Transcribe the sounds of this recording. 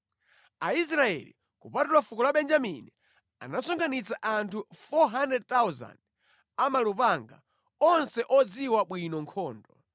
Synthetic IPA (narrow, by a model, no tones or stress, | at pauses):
ais̬ɾaɛ̰lḭ | kupatulafukɔlaɓɛnd͡ʒamini | a̰nasɔŋkʰanit͡saʔantʰufɔɦandɛd̚t̪awza̰nd | amalupaŋɡa̰ | ɔnsɛʔɔd͡ziwaɓwinɔŋkʰɔːndɔ